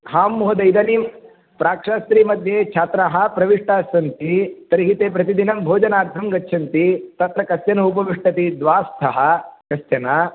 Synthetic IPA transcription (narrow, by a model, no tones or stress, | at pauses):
ɦaːmːuɦɐd̪ɐjd̪ɐnim | pɾaːkʂaːst̪ɾiːmɐd̪ʱjeːt͡ʃʰaːt̪ɾaɦɐ̆pɾɐʋiʂʈaːsɐnt̪it̪ɐɾiɦit̪eːp̬ɾɐt̪id̪inɐmbʱoːd͡ʒɐnaːɾt̪ʰɐmɡɐtːʃʰɐnt̪it̪ɐt̪ɾɐkɐsjɐnɐupɐʋiʂʈɐt̪id̪ʋaːst̪ʰɐɦɐ̆kɐsjɐna